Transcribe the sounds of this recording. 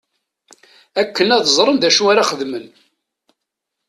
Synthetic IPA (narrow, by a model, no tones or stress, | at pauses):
ækːənæðzˤɾˤənðæʃuaɾaχəðmən